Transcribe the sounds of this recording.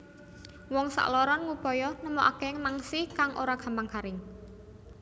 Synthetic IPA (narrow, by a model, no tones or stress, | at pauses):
wɔŋsa̰ʔlɔɾɔnŋupɔjɔnəmɔʔakeŋmaŋsikaŋʔoɾaɡ̥a̤mbaŋkaɾɪŋ